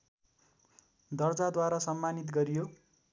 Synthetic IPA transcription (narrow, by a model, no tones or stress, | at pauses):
d̪ʌrd͡zad̪waɾasʌmːanit̪ɡʌɾijo